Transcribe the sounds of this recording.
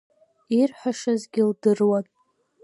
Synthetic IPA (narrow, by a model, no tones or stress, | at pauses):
irħʷaʂazɡʲildɨrwatʼ